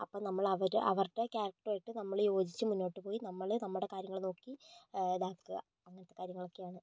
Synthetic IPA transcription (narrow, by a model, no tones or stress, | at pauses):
ɐpːoːnɐmːɐɭɐʋɐɾʔɐʋɐrʈːekaːɾɐk̚ʈɐraːjiʈːɨnɐmːɐɭjo̞ːd͡ʑit͡ɕːɨmunːo̞ːʈːɨpo̞ːjinɐmːɐɭnɐmːɐɭuɽe̞kaːɾjɐŋːɐɭno̞ːkːid̪aːkːɨɣa̰ | ɐŋːɐnɐt̪ːe̞kaːɾjɐŋːɐɭo̞kːejaːɳɨ